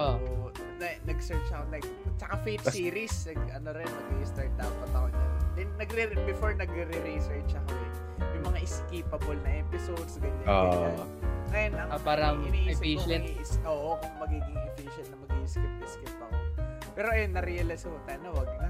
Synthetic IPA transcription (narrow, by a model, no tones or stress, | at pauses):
ʔo | nɐnɐɡsɛɹt͡ʃɐkonɐɡ | t͡ʃɐkafet̪siːɾisnɐɡɐnoɾɛnːɐɡiʔɪst̪aɹt̪̚d̪aʔonpɐt̪ɐʔonɐ̰d̪ɛnnɐɡɾɛɾbɪfoɹnɐɡɾɛɾɛɾisɛɹt͡ʃɐkoʔɛ | jʊŋmɐŋaʔɪskipɐbolnɐʔɛːpɪsod̪sɡɐɲao | ʔɐjonɐŋbaːɾɐŋɪniːsiɛsʔoːʔokoŋmɐɡiɡɪŋʔɪfiːʃɐnnɐmɐɡiʔɪskɪp̪̚ɐɪskɪp̚ɐko | pɛːɾoʔɐjonːɐɾiɐlɐshot̪ɐɐnowɐɡ̚nɐ